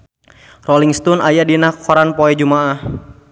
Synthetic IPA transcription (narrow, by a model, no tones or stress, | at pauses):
rɔliŋst̪ɔnajadinakʰɔɾanpoɛd͡ʒumaah